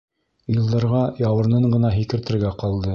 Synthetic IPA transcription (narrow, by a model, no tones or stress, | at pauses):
jɤ̆lˠd̪ɑɾʁɑjɑwɤ̆ɾnɤɴɢɤ̆nɑɦikɘ̆ɾt̪ɘ̆ɾɡæqɑlˠd̪ɤ